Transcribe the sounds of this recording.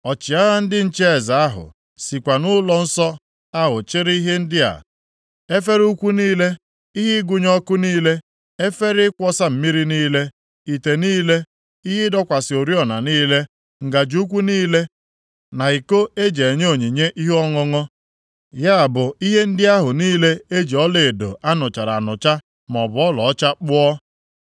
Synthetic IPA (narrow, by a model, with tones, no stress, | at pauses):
ɔ˨t͡ʃɪ˨a˦ɣa˦n̩˦dɪ˦n̩˦t͡ʃe˦e˨za˨a˦ɦʊ̰˨ | si˨kʷa˨nʊ˦lɔ˨n̩˦sɔ˦ | a˦ɦʊ˨t͡ʃɪ˦ɾɪ˦i˦ɦe˦n̩˦dɪ˦a̰˨ | e˦fe˦ɾu˦kʷu˦niː˦le˦ | i˦ɦɪ˦ɡʊ˦ɲɔ˦kʊ˦niː˦le˦ | e˦fe˦ɾɪ˦kʷɔ˦sa˦m̩˨mi˦ɾi˦niː˦le˦ | i˨te˨niː˦le˦ | i˦ɦɪ˦dɔ˦kʷa˨sɪ˨o˨ɾi˦ɔ˨na˨niː˦le˦ | ŋ̩˨ɡa˨d͡ʒu˦kʷu˦niː˦le˦ | na˨i˨ko˦e˦d͡ʒe˨e˨ɲe˦o˨ɲi˨ɲe˦ʔi˦ɦɔ˦ŋɔ˦ŋɔ˦ | ja˦a˨bʊ˨i˦ɦe˦n̩˦dɪ˦a˦ɦʊ˨niː˦le˦e˦d͡ʒi˨ɔ˦le˨e˨do̰˨ʔa˦nʊ˨t͡ʃa˨ɾa̰˨nʊ˨t͡ʃa˦ | mɔ˨bʊ˨˦ɔ˦lɔ˨ɔ˦t͡ʃa˦k͡pʊ˦ɔ˦